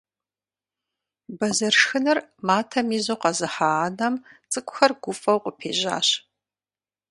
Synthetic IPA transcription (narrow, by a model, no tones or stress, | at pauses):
bɐzɐrʂxɨnɨrmaːtʰɐmiːzoːqɐzɨħanɐmt͡sʼɨkʷʼʊxɐrɡʷʊfʼɐwqʷʼəpʰḛːʑa̰ːɕ